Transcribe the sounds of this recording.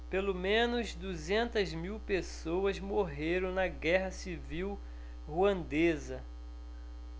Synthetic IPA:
pelomẽnʊzd̪uzẽnt̪ɐzmiwpesowɐzmoɦeɾɐ̃w̃nɐɡɛɦɐsiviw | huɐ̃nd̪ezɐ

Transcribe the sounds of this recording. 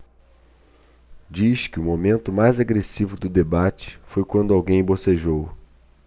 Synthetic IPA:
d͡ʒiʃkɪʊmomẽnt̪ʊmajzaɡɾesivʊd̪ʊd̪ebat͡ʃɪ̥fojkwɐ̃nd̪ʊawɡẽj̃boseʒow

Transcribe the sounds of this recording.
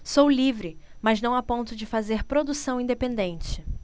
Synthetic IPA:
sowlivɾɪmɐznɐ̃w̃apõnt̪ʊd͡ʒɪfazeɾpɾod̪usɐ̃w̃ĩd̪epẽnd̪ẽnt͡ʃɪ

